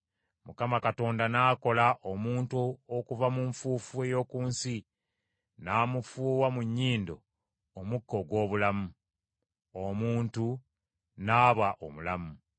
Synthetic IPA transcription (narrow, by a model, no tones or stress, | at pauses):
mukamakato̞ːndanaːko̞laʔomuːntuokuvamuɱfuːfue̞jo̞ːkuːnsi | naːmufuːwamuɲːiːndo̞ː | mukːo̞ɡwo̞ːβulamu | omuːntu | naːβaʔo̰mulamu